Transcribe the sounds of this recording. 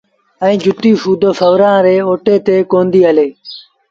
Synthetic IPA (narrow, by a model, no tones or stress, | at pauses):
ɛ̃ːd͡ʒʱʊt̪iːfuːd̪ʱoːfəʋɾãːɾeːoːʈeːt̪eːkoːnd̪iːəleː